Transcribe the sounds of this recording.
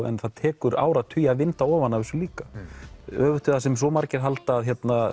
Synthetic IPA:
ɛ̰nθaðt̪ʰɛːkʏɾa̰ːwɾaðt̪ʰʏjaðvɪnt̪aɔːvanːavɛɾsʏliːka | œːvʏht̪ʏðasɛms̬vɔmaɾcɪɾ̥ɦalt̪aːðçjɛt̪na

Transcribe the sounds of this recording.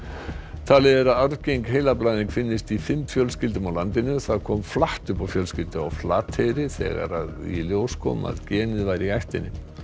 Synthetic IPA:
t̪ʰaːlɪðɛɾaðaɾvcejŋkɦejlaplajninkfɪnːɪst̪ifɪmfjœlscɪlt̪ʏmawlant̪ɪnʏθaðkʰɔːmflaht̪ʏpawfjœlscɪlt̪ɪa̰wflaːt̪hejɾɪθɛ̰ːɣa̰ɾaðḭljoːwskʰɔ̰ːma̰ðcɛːnɪðvaːjɾiajht̪ɪnːɪ

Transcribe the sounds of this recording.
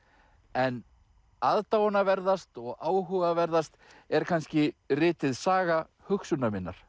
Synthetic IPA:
ɛn | aðt̪awɔnavɛɾðast̪ɔɣaːwɦʏɣavɛɾðast̪ | ɛɾ̥kʰanscɪrɪːt̪ɪðsaːɣa | hʏxsʏnamɪnːa̰ɾ̥

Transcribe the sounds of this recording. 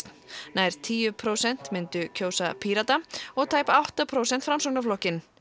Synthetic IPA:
naːjɾ̥t̪ʰiːjʏpʰɾoːwsɛn̥t̪mɪnt̪ʏcʰoːwsapʰiːɾat̪aɔɣt̪ʰaːjpaawht̪apʰɾoːwsɛn̥t̪fɾamsoŋnaflɔhcɪn

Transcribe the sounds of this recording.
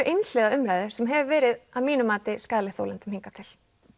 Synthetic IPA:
ʏʔenl̥ɛɣaʏmɾajðʏɾ̥sɛmɦɛvvɛːɾɪðamiːnʏmaːt̪ɪskaːðlɪθo̰wlɛnt̪ʏmhiŋkat̪ʰɪl

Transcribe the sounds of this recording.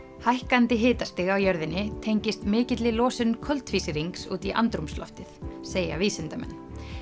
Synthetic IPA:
hajhkant̪ɪɦɪːt̪ast̪ɪɣawjœɾðɪnːɪt̪ʰejɲcɪst̪mɪːcɪt̪lɪlɔːsɪnkʰœlt̪fiːsɪɾiŋksṵːt̪iʔa̰nt̪ɾumslɔ̰ft̪ɪθseːja̰viːsɪnt̪amɛ̰nː

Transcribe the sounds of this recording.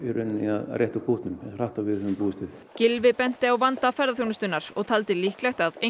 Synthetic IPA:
iɾʏnnia̰ð̰rʔjɛht̪ʏkʰuht̪nʏmɾaht̪awvɪðʏnʏmpuːɪst̪ʏ | cɪlvɪpɛn̥t̪ɪawvant̪afɛɾðaθjownʏst̪ʏnːaɾ̥ɔɣt̪ʰalt̪ɪliːhklajt̪aðe

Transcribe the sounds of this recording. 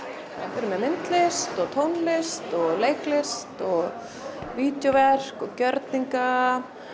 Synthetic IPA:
afɛɾʏmɛmɪnt̪lɪst̪ɔɣt̪ʰownlɪst̪ɔɣlejklɪst̪ɔɣ | viːt̪jovɛr̥kɔɣcœɾt̪niŋka

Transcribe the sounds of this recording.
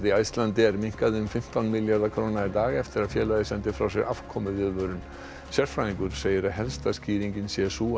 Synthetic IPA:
ðiajst̪lant̪ɪɛɾmiŋ̥kaðɪʏmfɪm̥t̪awnmɪljaɾðakʰɾoːnait̪aːɣɛft̪ɪɾaðfjɛːlaðɪsɛnt̪ɪfɾa̰wsɛɣʔa̰fkʰɔmʏðvɪðvœɾʏn | sjɛɾ̥fɾaniŋkʏɾ̥seːjɾaɦɛlst̪asciːɾiɲcɪnsɛsuː

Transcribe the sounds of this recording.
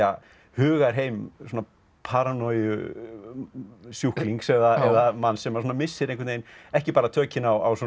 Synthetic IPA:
a | hʏːɣaɾ̥ɦeːjmsoɔna | pʰaɾanɔjʏ | sjuhkliŋksɛɣðaɛðamansɛmasuːnamɪsːɪɾẽŋkʰʏtnejnɛhcɪpaːɾat̪ʰœːcɪnawawsɔ

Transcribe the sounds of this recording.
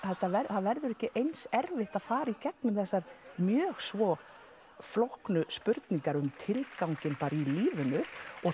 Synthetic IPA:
θɛt̪ːavɛɾθavɛɾðʏɾɛhcɪʔejnsɛɾvɪht̪aðfaːɾaicɛknʏmθɛsːaɾ̥mjœːɣsvɔ | flohknʏspʏɾt̪niŋkaɾʏmt̪ʰɪlkawɲcɪnpaːɾailiːvʏnʏɔ

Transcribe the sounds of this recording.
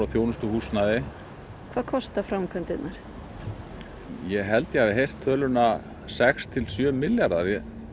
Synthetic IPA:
awθjoːwnʏst̪ʏhuːsnaðɪ | kʰvaːkʰɔst̪afɾamkʰœnt̪ɪnaɾ̥ | jɛɣɦɛlt̪jɛavɪɦejr̥t̪ʰːœːlʏna | sɛkst̪ʰɪlsjœːmɪljaɾðaðjɛ

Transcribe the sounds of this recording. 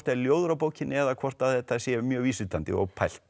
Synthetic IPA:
t̪ɛɾljowðʏɾawpoːwcɪnːɪɛðakʰvɔr̥t̪aθɛht̪ːasjɛmjœːɣviːsʏt̪ant̪ɪ̰ɔ̰ɣpʰajl̥t̪

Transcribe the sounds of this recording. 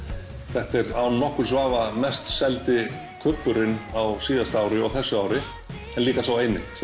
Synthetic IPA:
θɛht̪ɛɾawnːɔhkʏɾ̥svaːvamɛst̪sɛlt̪ɪ | kʰʏpːʏɾɪnawsiːðast̪aːwɾɪɔɣθɛsːʏaːwɾɪ | ɛnliːkasawejnːɪ

